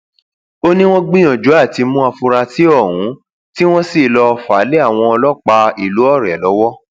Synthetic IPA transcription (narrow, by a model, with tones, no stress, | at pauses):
o˦nĩ˦w̃ɔ̃˦ɡ͡bĩ˦j̃ɔ̃˨d͡ʒu˨˦a˦˨ti˧mũ˦a˧fu˧ɾa˧ti˦ɔ˦˨wũ˨˦ | ti˦w̃ɔ̃˦si˦˨lɔ˧fa˨˦le˦a˦˨w̃ɔ̃˧ɔ˧lɔ˦k͡pa˧i˦˨lu˨˦ɔ˦˨ɾɛ˨lɔ˨˦wɔ˦